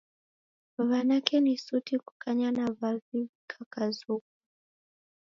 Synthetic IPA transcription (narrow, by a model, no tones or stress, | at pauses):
βanakɛnisutiku̥kʰaɲanavavikʰakazuk̚u̥